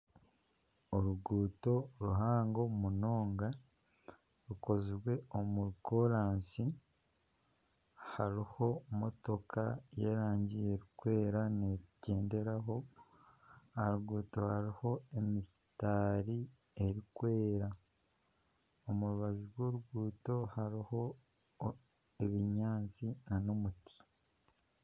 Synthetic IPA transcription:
oɾuɡuːto̞ɾuɦaːŋɡo̞muno̞ːŋɡa | ɾuko̞ziɾwe̞omuɾkoɾaːnsi | haɾiho̞mo̞to̞kaje̞ːɾaːɲɟije̞ɾikwe̞ːɾaneɟe̞ːnde̞ɾaɦo̞ | aɾuɡuːto̞haɾiho̞e̞misi̥taːɾi | e̞ɾikwe̞ːɾa | omuɾuβazuɾwo̞ːɾuɡuːto̞haɾiho̞ | eβiɲaːnt͡sinanomutʰi̥

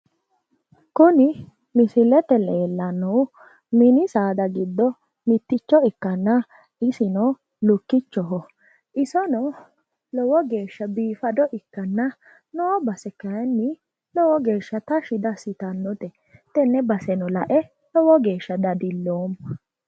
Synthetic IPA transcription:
kʊnɪ | mɪsɪlɛt̪ɛleːlːɐnːɔw | mɪnɪsaːd̪ɐɡɪd̪ːɔ | mɪt̪ːɪt͡ʃːɔɪkːɐnːɐ | ʔɪsɪnɔ | lʊkːɪt͡ʃːɔɦɔ | ʔɪsɔnɔ | lɔwɔɡe̞ːʃːɐbiːfɐd̪ɔʔɪkːɐnːɐ | noːbɐsɛkɐjnːɪ | lɔwɔɡe̞ːʃːɐt̪ɐʃɪd̪ɐsɪt̪ɐnːɔt̪ɛ | t̪ɛnːɛbɐsɛnɔlɐʔɛ | lɔwɔɡe̞ːʃːɐd̪ɐd̪ɪlːoːm

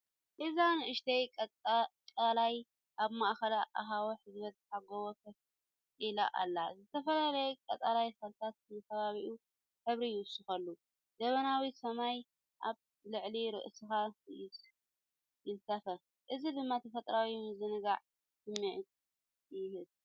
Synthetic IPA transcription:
ʔɨzanɨʔɨʃt̪ʰejʼkʼalaj | ʔaβmaʔxɐlaʔaɦawoħɨzβɐt̪̚ħaɡowokʰɐf | ʔila̰ʔa̰lːazɨt̪ʰɐfɐlalɐjkʼɐt͡sʼalajsɐɾt̪ʰat̪̚ɨnɨkʰɐβaβiʔu | ħɨβɾijɪwʊsːɨxɐlːu | d̪̥ɐβɐnawisɐmaj | ʔaβ | lɨʕliɾɨ̰ʔsɨxasɪs | jɪnsɐfɐ | ʔɨzid̪ɨmːat̪ʰɐfɐt̪ʼɾawimɨzɨnɨɡaʕ | sɨmːiʕt | jɪhɨd

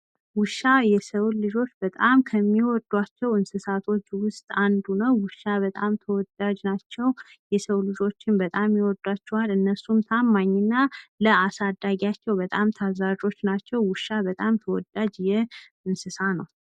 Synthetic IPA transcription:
wʊʃːajɛsəwlɨd͡ʒo̞t͡ʃːbət̪ʼamkʰəmːiwɔd̪ːwat͡ʃːɛwɨnsɨsat̪ʰo̞t͡ʃːwʊst̪ʼand̪unəwwɨʃːaβət̪ʼamt̪ʰəwɔd̪ad͡ʒnat͡ʃːɛw | jɛsəwlɨd͡ʒo̞t͡ʃːɪnbət̪ʼamjiwɔd̪wat͡ʃːɛwalɨnːəsumt̪ʰamːaɲːɪnːaləasad̪ːaɡat͡ʃːɛwbət̪ʼamt̪ʰazad͡ʒo̞t͡ʃːnat͡ʃːɛwwʊʃːabət̪ʼamt̪ʰəwɔd̪ad͡ʒjɛ | ɨnsɨsanəw

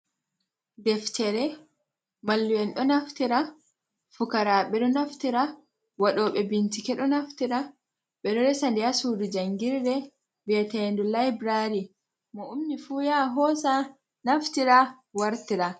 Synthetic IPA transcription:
dɛftɛɾɛ | malːuwɛnɗɔnaftiɾa | fukaɾaɓɛɗɔnaftiɾa | waɗɔːɓɛbintikɛɗɔnaftiɾa | ɓɛɗɔɾɛsandiasudud͡ʒaŋɡiɾdɛ | bɛtɛndulajbɾaɾi | mɔumnifuːjaɦɔsa | naftiɾa | waɾtiɾa

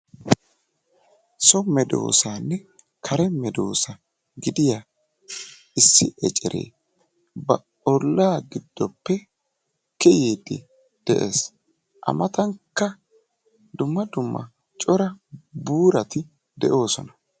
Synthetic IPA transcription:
sɔmɛd̪o̞̰ːsaːnːɛ | kʰɐɾɛmɛd̪o̞ːsɐ | ɡɪd̪ɪja | ɪsːɪɛt͡ʃʼɛɾʔḛː | bɐ | ɔlːaːɡɪd̪ːɔpːɛ | kːɛjeːd̪ɪ̰ | d̪̥ɛʔḛːs | ʔɐ̰mɐt̪ɐŋkːɐ | d̪ʊmːɐd̪ʊmːɐ̰ | t͡ʃʼɔɾɐbuːɾɐt̪ɪ | d̪ɛʔo̞ːsɔnɐ

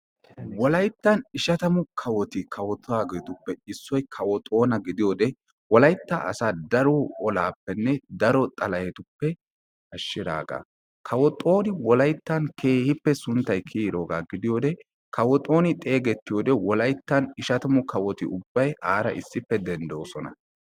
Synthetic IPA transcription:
wɔlɐjt̪ːɐnɪʃɐt̪ɐmʊkʰɐwɔt̪ɪkʰɐwɔt̪ʼɔaːɡet̪ʊpːɛɪsːɔjkʰɐwɔt̪ʼo̞ːnɐɡɪd̪ɪjoːd̪ɛ | wɔlɐjt̪ːɐɐ̰saːd̪ɐɾoɔlaːpːɛnːɛd̪ɐɾɔt̪ʼɐlɐjɛt̪ʊpːɛ | ʔɐʃːɪd̪a̰ːɡa̰ː | kʰɐwɔt̪ʼo̞ːnɪwɔlɐjt̪ːɐnkʰe̞ːhɪpːɛsʊnt̪ːɐjkʰiːɾo̞ːɡaːɡɪd̪ɪjo̞ːd̪ɛ | kʰɐwɔt̪ʼo̞ːnɪt̪ʼe̞ːɡɛt̪ːɪjoːd̪ɛwɔlɐjt̪ːɐnɪʃɐt̪ɐmʊkʰɐwɔt̪ɪ̰ʊbːɐjaːɾɐ̰ʔɪsːɪpːɛd̪ɛnd̪oːsɔnɐ̰

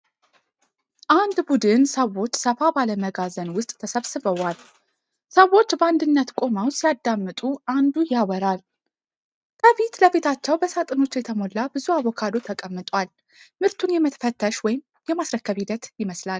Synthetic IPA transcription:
ʔand̪bud̪ɨnsəwːo̞t͡ʃːsəfabaləməɡazənwʊst̪ʼt̪ʰəsəβsɨβəwal | səwːo̞t͡ʃːbəand̪ɨnːət̪kʼo̞mawsijad̪ːamːɨt̪ʼuʔand̪ujawəɾal | kʰəfit̪ləfit̪ʰat͡ʃːɛwbəsat̪ʼɨno̞t͡ʃːjɛt̪ʰəmo̞lːabɨzuaβo̞kʰad̪o̞t̪ʰəkʼəmːɨt̪ʼwal | mɨɾt̪ʰunjɛmət̪ʰəfət̪ʰːəʃwɔjɪm | jɛmasɾəkːəβid̪ət̪jɪməslal

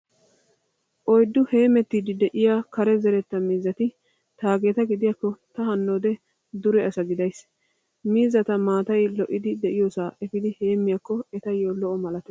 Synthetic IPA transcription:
ʔɔjd̪ːʊhe̞ːmɛt̪ːiːd̪ɪd̪ɛʔɪjaːkɐɾɛzɛɾɛt̪ːɐmiːzɐt̪ɪ | t̪aːɡe̞ːt̪ɐɡɪd̪ɪjakːɔt̪ɐhɐnːoːd̪ɛ | d̪ʊɾɛɐsɐɡɪd̪ɐjs | miːzɐt̪ɐmaːt̪ɐjlɔʔɪd̪ɪd̪ɛʔɪjoːsaːʔɛfɪd̪ɪhe̞ːmːɪjakːɔɛt̪ɐjoːlɔʔɔmɐlɐt̪ɛ

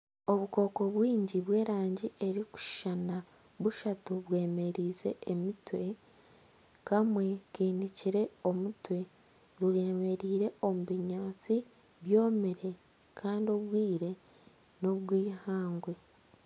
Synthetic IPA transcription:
o̞βuko̞ːko̞βwiːɲɟiβwe̞ːɾaːɲɟiʔe̞ɾiku̥ʃʃana | βuʃatuβwe̞ːme̞ɾiːze̞̰ːmitwe̞ | kamwe̞kiːndiciɾe̞o̞mutwe̞ | ɾuɾeme̞ɾiːɾe̞o̞muβiɲaːt͡si | βjo̞ːmeɾe̞ | kʰaːndio̞βwiːɾe̞ | no̞βwiːhaːŋɡwe̞

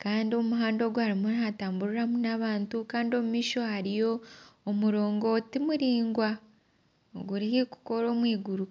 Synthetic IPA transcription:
kaːndio̞muɦaːndo̞ːɡhaɾimunataːmbuɾuɾamunaβaːntukaːndio̞mumiːʃo̞haɾijo̞ːmuɾo̞ːŋɡo̞timuɾiːŋɡwa | o̰ɡuɾihiku̥ko̞ɾo̞ːmwiːɡuɾu

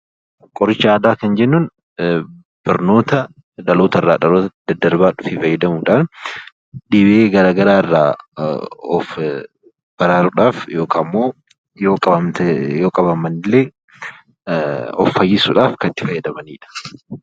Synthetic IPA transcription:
kʼɔɾɪt͡ʃːɐaːd̪aːkɐnd͡ʒɛnːʊn | b̥ɐɾno̞ːt̪ɐ | ᶑɐloːt̪ɐrːa̰ːᶑɐloːt̪ɐd̪ɐd̪ɐɾbaːᶑʊfɪfɐjːɐd̪ɐmuːᶑaːn | ᶑibʔeːɡɐɾaːɡɐɾaːɪrːa̰ː | ɔf | b̥ɐɾaːɾʊᶑaːfjo̞ːkʰaːmːoː | joːkʼɐɐt̪joːkʼɐbɐmɐnɪlːeː | ɔ̰fːɐjːɪsʊᶑaːfkɐt̪ːɪ̥fɐjːɐd̪ɐmɐnḭːᶑɐ̥

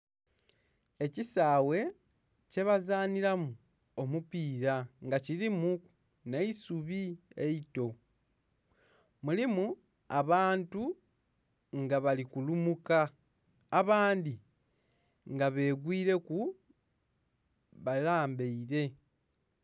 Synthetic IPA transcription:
e̞cisaːwe̞ | ce̞βazaːniɾamu | o̞mupiːɾaŋɡacilimu | ne̞isuβie̞ito̞ | mulimu | aβaːntu | ŋɡaβalikulumukaː | βaːndi | ŋɡaβe̞ːɡwiːɾe̞ku | βalaːmbe̞iɾe̞

